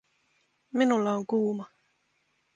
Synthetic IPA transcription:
minulːɑoŋkuːmɑ

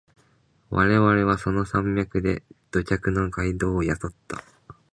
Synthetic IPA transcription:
βʔa̰ɾe̞βaɾe̞β̞aso̞no̞sãmbʲakɯ̟d̪e̞d̪̥o̞cʲakɯ̟no̞ɡaid̪o̞ːjaso̞t̪ːa̰

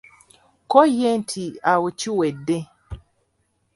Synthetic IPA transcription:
kɔjɛntʰiawut͡ʃiwɛde

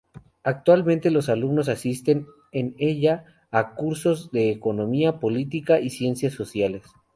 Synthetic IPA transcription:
ak̚t̪walmẽnt̪e̞lo̞salumno̞s̬asist̪e̞n | ene̞ʝaː | kuɾso̞zðe̞ːko̞nõ̞miapo̞lit̪ikaʔisje̞nsjasːo̞sjale̞s

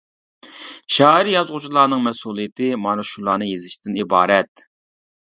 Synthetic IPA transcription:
ʃɑːɾjɑzʁʊt͡ʃʰlˠɑːnɨŋmɛsulˠijɪt̪ʰɪmɑnuʃulˠɑːnɨjezɪʃt̪ɪnibɑ̰ːɾɛt̪

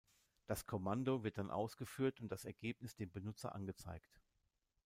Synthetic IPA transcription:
d̥askʰɔmandovɪɐt̚d̥anʔa̰ʊsɡ̥əfyːɐtʊnt̚d̥asɛɐɡeːpnɪsd̥eːmbənʊt͡sɐ̰ʔa̰nɡət͡sa̰ɪkt

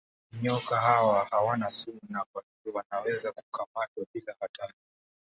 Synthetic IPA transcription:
ɲɔkahawahawanasuunakwaniviwanawɛzaku̥kamatwaɓilahataɾi

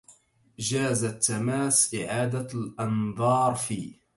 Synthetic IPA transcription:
d͡ʒaːzat̪ːamaːsʔɪʕaːd̪alʔɑnðˤɑːɾˤfiː

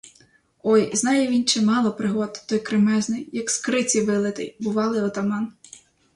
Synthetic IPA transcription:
ɔjznɑjɛʋʲint͡ʃɛmɑlˠɔpɾɪɦɔt̪t̪ɔjkɾɪmɛznɪjjɐkskɾɪt͡sʲiʋɪlˠɪt̪ɪ̰jbʊʋɑlˠɪɔt̪ɐmɑn

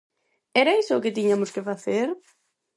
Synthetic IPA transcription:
ɛɾɐisʊːkɪt̪iɲamʊskɪfaθeɾ

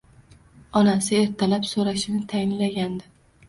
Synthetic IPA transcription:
ɒnasɪe̞ɾt̪ʰalapsoɾaʃɪnɪt̪ʰajɪnlaɡʲand̪ɪ

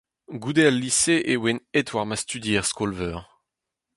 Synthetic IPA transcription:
ɡud̪ealːiseʔewenɛt̪waʁmast̪yd̪jeːʁskɔlvœːʁ

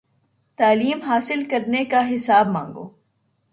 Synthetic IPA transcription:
t̪aːliːmɦaːsɪlkɐɾnekaɦɪsaːb̚mãːŋɡo̰ː

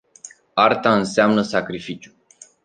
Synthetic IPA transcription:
art̪aɨnseamnəsakɾifit͡ʃju

